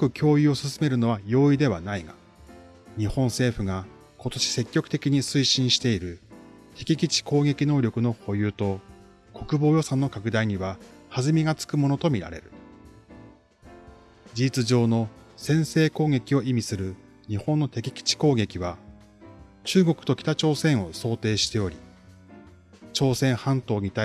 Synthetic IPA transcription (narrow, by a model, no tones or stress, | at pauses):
kakɯ̟kʲʰo̞ːio̞sɨsɨme̞ɾɯ̟no̞β̞ajo̞ːid̪e̞βanaiɡa | ɲ̟ihõ̞ɰ̃se̞ːɸɯ̟ɡa | ko̞t̪o̞ɕi̥se̞kʲːo̞kɯ̟̥t̪e̞kʲiɲ̟isɨiɕĩɰ̃ɕi̥t̪e̞iɾɯ̟ | t̪e̞kʲikʲit͡ɕi̥ko̞ːɡe̞kʲino̞ːɾʲo̞kɯ̟no̞ho̞jɯ̟ːt̪o̞ | ko̞kɯ̟bo̞ːjo̞sãnːo̞kakɯ̟d̪aiɲ̟iβahazɨmʲiɡat͡sɨ̥kɯ̟mo̞no̞t̪o̞mʲiɾa̰ɾe̞ɾɯ̟ | d͡ʑiːt͡sɨʑo̞ːno̞sẽ̞ɰ̃se̞ːko̞ːɡe̞kʲio̞imʲisɨɾɯ̟ | ɲ̟ihõ̞nːo̞t̪e̞kʲi̥kʲi̥t͡ɕi̥ko̞ːɡe̞kʲiβ̞a | t͡ɕɨːɡo̞kɯ̟t̪o̞kʲi̥t̪at͡ɕo̞ːsẽ̞ɰ̃o̞so̞ːt̪e̞ːɕi̥t̪e̞o̞ɾʲi | t͡ɕo̞ːsẽ̞ɰ̃hãnt̪o̞ːɲ̟it̪a